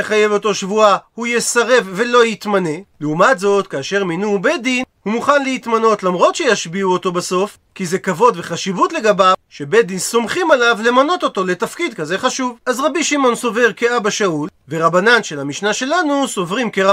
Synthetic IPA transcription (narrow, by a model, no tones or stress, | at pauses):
eχaje̞vo̞t̪o̞ʃvuahujesaʁe̞vːe̞lo̞jit̪mane̞leumatzo̞t̪kaːʃe̞ʁminube̞dinhumuχanlehit̪mano̞t̪lamʁo̞t̪ʃe̞jaʃbiuot̪o̞baso̞f | kizekavo̞d̪ve̞χaʃivutle̞ɡabaʃebed̪inso̞mχimalavle̞mano̞t̪o̞t̪o̞let̪afkid̪̚kaze̞χaʃuvazʁabiʃimo̞nso̞ve̞ʁkeabaʃaulveʁabananʃelamiʃnaʃe̞lanuso̞vʁimkeʁ